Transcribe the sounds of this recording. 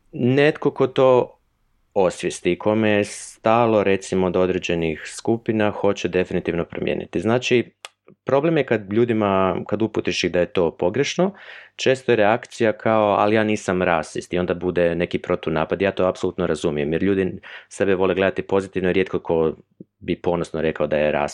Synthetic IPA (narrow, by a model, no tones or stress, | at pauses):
ne̞t̪ko̞ko̞t̪o̞ː | o̞sʋjest̪ikʰo̞mejest̪aːlˠo̞ɾe̞t̪simod̪o̞d̪ɾe̞d͡ʑe̞nixskupinaxo̞t͡ɕe̞d̪e̞finit̪iʋnopɾo̰mjḛnḭt̪iznaːt͡ʃi | pɾo̞ble̞mje̞kad̪ʎuːd̪imakad̪uput̪iʃiɣd̪ajet̪o̞ːpo̞ɡɾe̞ʃno̞t͡ʃe̞ːst̪ojeɾeakt̪sijakʰao̞a̰lijaːniːsamɾaːsʋist̪io̞nd̪abud̪ene̞kipɾo̞t̪unaːpad̪ijaːt̪o̞ːapso̞lut̪noɾazumijemjeɾʎuːd̪ise̞beʋo̞le̞ɡle̞d̪at̪ipo̞zit̪iʋnoiɾje̞t̪̚kokʰo̞ | bipo̞nosnoɾe̞kaod̪ajeɾa̰ːs